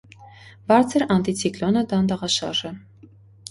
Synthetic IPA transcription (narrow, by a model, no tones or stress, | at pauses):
bɑɾt͡sʰəɾɑnt̪it͡sʰiklɔnəd̪ɑnd̪ɑʁɑʃɑ̰ɾʒɛ